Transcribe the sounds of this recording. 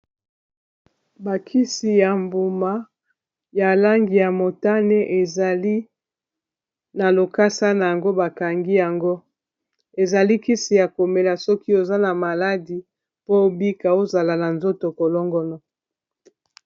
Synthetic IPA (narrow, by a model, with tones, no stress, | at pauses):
ba˨kʰi˦si˨ja˨mbu˨ma˨ | ja˨la˦ŋɡi˨ja˨mo˨ta˦ne˦ʔe˨za˨li˦ | na˨lo˨ka˦sa˦na˨ja˨ŋɡo˦ba˨ka˨ŋɡi˦ja˨ŋɡo˦ | e˨za˨li˦ki˦si˨ja˨ko˨me˨la˨sɔ˦ki˦o˨za˦na˨ma˨la˦di˨ | po˦bi˦ka˨o˦za˨la˨na˨nzo˦to˨ko˨lɔ˦ŋɡɔ˦nɔ˨